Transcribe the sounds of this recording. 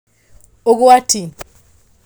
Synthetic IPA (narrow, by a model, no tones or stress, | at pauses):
ok̬uwatʰini